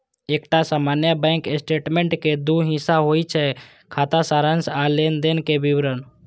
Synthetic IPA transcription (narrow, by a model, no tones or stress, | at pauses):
eːkʈasaːmaːnjabɛ̃ːŋkesʈeːʈmẽɳʈked̪uɦɪ̃saɦoit͡ʃʰɛ | kʰaːt̪asaːɾənsaleːnd̪enkebiwɾən